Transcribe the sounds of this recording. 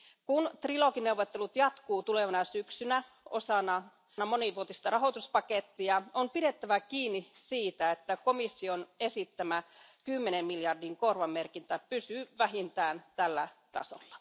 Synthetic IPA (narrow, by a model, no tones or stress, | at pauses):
kunt̪rilokineuwʋːˑot̪ːelut̪jɑt̪kuːt̪uleʋɑnɑsyksynæ | o̰sɑnɑ | nɑmoniʋuot̪ist̪ɑrɑɦot̪uspɑket̪ːiɑompiɾet̪ːæʋækiːnːisiːt̪æet̪ːækomisːionesit̪ːæmækymːenemmiljɑrdiŋkorʋɑmmerkint̪æpysyːʋæɦint̪æːnt̪ælːæt̪ɑ̰so̰lːɑ